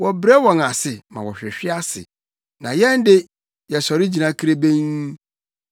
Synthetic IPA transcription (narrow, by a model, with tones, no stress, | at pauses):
wɔ˨bɾɛ˦wɔ̃˨na˨sɪ˨mã̰˨wɔ˨ɕᶣɪ˨ɕᶣɪ˦a˦sɪ̰˨ | nã˨jɛ̃˦ndɪ˦ | jɛ˨sɔ˨ɾɪ˦d͡ʑi˨nã˨˦kʰi˦ɾe˦bẽ˦ŋ˦